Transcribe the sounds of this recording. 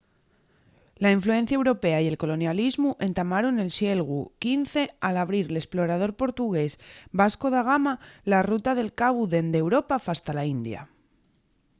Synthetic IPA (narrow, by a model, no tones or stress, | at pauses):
laiɱflue̞n̟θjae̞wɾo̞pe̞aie̞lko̞lo̞njalizmuʔe̞nt̪amaɾone̞lsje̞lɣukinθe̞alaβ̞ɾiɾle̞splo̞ɾað̞o̞ɾpo̞ɾt̪uɣ̞e̞sbasko̞ðaɣ̞amalarut̪aðe̞lkaβuðe̞nd̪e̞wɾo̞pafast̪alaind̪ja̰